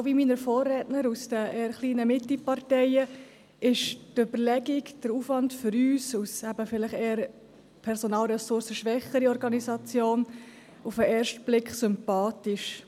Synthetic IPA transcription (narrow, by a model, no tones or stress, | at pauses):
viminəɾfoːrɛtnəɾusd̥əʔeːəχliːnəmɪtlipɑɾtɛɪə | ɪʃtøbəɾlɛɡiɡd̥əɾufʋɑntfʏɾyːsusæbəfɪləχeːəɾ | pʰɛɾsɔnɑːlɾɛsʊɾsəʃʋɛχəɾiɔɾɡɑnisɑt͡sjoːn | ufəʔɛːɾʃtb̥lɪkχsʏmpɑːtɪʃ